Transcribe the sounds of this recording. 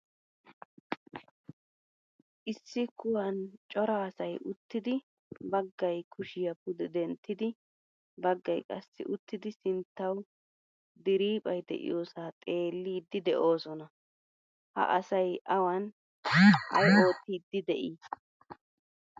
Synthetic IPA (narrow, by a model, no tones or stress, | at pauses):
ʔɪsːɪkʊwɐnt͡ʃʼɔɾaːsɐjʊt̪ːɪd̪ɪ | bɐɡːɐjkʰʊʃɪjɐpʊd̪ɛd̪ɛnt̪ːɪd̪ɪ | bɐɡːɐjkʼɐ̰sːɪ̰ʔʊt̪ːɪd̪ɪsɪnt̪ːɐw | d̪ɪɾiːpʼɐjd̪ɛ̰ʔɪ̰joːsaːt̪ʼe̞ːlːiːd̪ːɪd̪ɛʔo̞ːsɔnɐ | hɐ̰ʔɐsɐjʔɐwɐn | hɐ̰jʔo̞ːt̪ːiːd̪ːɪd̪ɛʔiː